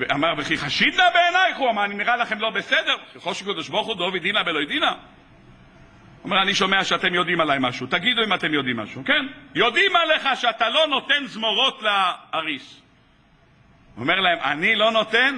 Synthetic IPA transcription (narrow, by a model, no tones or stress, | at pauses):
veʔamaʁbeχiχaʃid̪labeːnajχuamaaniniʁalaχe̞mlo̞be̞sed̪eʁkeχoʃkod̪oʃboχud̪ovid̪inabelo̞jd̪ina | ome̞ʁaniʃo̞meaʃeat̪e̞mjo̞d̪imalajmaʃut̪aɡid̪uimat̪e̞mjo̞d̪imːa̰ʃukenjo̞d̪imaleχaʃeat̪alo̞no̞t̪e̞nzmoʁo̞t̪laaʁis | o̰me̞ʁlaemʔa̰nilo̞no̞t̪en